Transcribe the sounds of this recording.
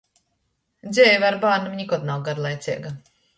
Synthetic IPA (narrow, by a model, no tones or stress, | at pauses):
d̪zʲɛjvaɾbaːɾnamiɲikɔt̪nawɡaɾlˠajt̪sʲiɛɡa